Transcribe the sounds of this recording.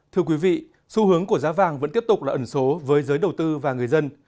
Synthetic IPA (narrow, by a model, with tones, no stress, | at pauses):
t̪ʰɨ˧əkwi˨˦vḭ˧˨ | su˧hɨ˨˦əŋku˧˩əzaː˨˦vaː˨˩ŋvə̰˧˥nt̪i˦˥p̚t̪ʊ˨˩k͡plaː˨˩ʔə˧˩nso˨˦vəː˨˦jzəː˨˦jɗə˨˩wt̪ɨ˧vaː˨˩ŋɨ˨˩əjzə˧n